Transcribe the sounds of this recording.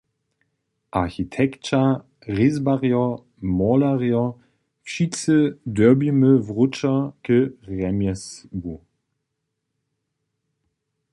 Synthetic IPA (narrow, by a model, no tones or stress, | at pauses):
ʔaxitʰɛkt͡ʃa | ʁɪzbaʁjɔ | mɔlaʁjɔ | fʃit͡sədœɐbiməvʁʊt͡ʃɐkəʁɛmjɛsɡu